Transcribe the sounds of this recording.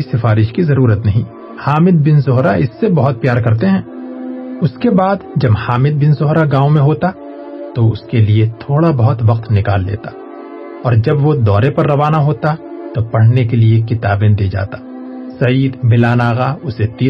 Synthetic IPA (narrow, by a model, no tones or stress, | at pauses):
isɪfaːɾɪʃkizɐɾuːɾət̪nɐɦĩː | haːmɪd̪̚bɪnzʊɦɾaɪsːebɐɦʊt̪̚pjaːɾkɐɾt̪eɦɛ̃ː | ʊskebaːd̪d͡ʒɐbhaːmɪd̪̚bɪnzʊɦɾaɡãːõmẽɦoːt̪a | t̪oʊskeliet̪ʰoːɽabɐɦʊt̪ʋɐq̚t̪nɪkaːlːḛːt̪a | ɔːɾd͡ʒɐbʋod̪ɔːɾepɐɾːɐʋaːnaɦoːt̪at̪opɐɽ̤nekeliekɪt̪aːbẽnd̪eːd͡ʒa̰ːt̪ḁː | sɐiːd̪bɪlaːnaːɣaʊset̪iː